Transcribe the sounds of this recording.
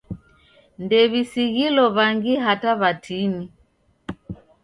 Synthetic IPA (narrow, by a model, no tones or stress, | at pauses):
ndɛβisiɣilɔβaŋɡiɦataβatʰini